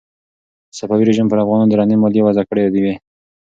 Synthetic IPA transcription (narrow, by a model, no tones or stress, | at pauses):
sapɑwiɾeʒimpəɾafɣɑnɑnod̪əɾɑnemɑljewazakəɽead̪iwe